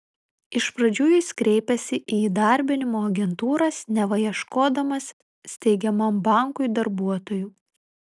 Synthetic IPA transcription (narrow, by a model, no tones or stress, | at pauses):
ɪʃpɾɐd͡ʒʲuːjʊskɾʲɛɪpʲɛsʲɪʔid̪ɐˑɾʲbʲɪnʲɪmoːɐɡʲɛnt̪uːɾɐsnʲɛʋɐjiɛʃkoːd̪ɐmɐsːʲ | t̪ʲɛɪɡʲɛmɐmbɑˑŋkʊɪd̪ɐɾbuɔt̪oːjuː